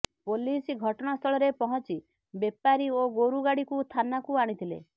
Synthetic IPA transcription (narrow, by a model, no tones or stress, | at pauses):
polisɡʱɔʈɔɽ̃ɔst̪ʰɔɭɔɾepɔɦɔt͡ʃi | bepaɾioɡoɾuɡaɽikust̪ʰanakuaɽ̃it̪ʰilḛ